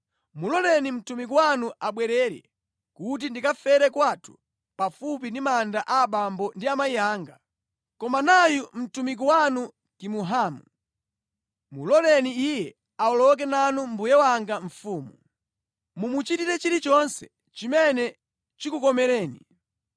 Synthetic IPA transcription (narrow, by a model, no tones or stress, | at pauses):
mulɔlɛnim̩tumik̬iwanuʔaɓwɛɾɛɾɛ̰ | kut̬indikafɛɾɛkwatʰu̥ | pafup̬indimandaʔaːɓambɔndiamaijaːŋɡa | kɔmanajum̩tumik̬iwanu | kimuɦaːmu | mṵlɔlɛniijɛ | aɔlɔk̬ɛnanumbujɛwaŋɡaɱ̩fuːmu | mumut͡ʃitiɾɛt͡ʃiɾit͡ʃɔnsɛ̰ | t͡ʃimɛnɛ | t͡ʃikukɔmɛɾɛːni